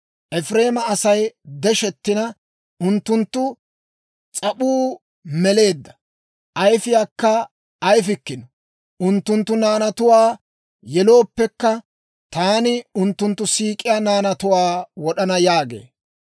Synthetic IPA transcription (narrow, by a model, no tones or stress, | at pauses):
ʔɛfɾe̞ːmɐɐsɐjd̪ɛʃɛt̪ːɪnɐ | ʔʊnt̪ːʊnt̪ːʊ | t͡sʼɐɓuː | mɛle̞ːd̪ːɐ̥ | ʔɐjfɪjaːkːɐ | ʔɐjfɪkːɪnɔ | ʔʊnt̪ːʊnt̪ːʊnaːnɐt̪ʊwaː | jɛlo̞ːpːɛkːɐ | t̪aːnɪʊnt̪ːʊnt̪ːʊsiːkʼːɪjanaːnɐt̪ʊwaːwɔɗɐnɐjaːɡe̞̰ː